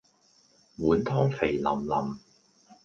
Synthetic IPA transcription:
muː˨˥nt̪ʰɔː˥ŋfe˨˩jlɐ̰˨˩mlɐ˨˩m

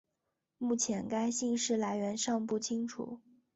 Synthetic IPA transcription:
mu˥˩t͡ɕʰjɛ˧˥nka˥ɪɕi˥˧ŋʂɻ̩˥˩la˧˥ɪɥɛ˧˥nʂɑ˥˧ŋpu˥˩t͡ɕʰi˥ŋʈ͡ʂʰṵ˨˩˦

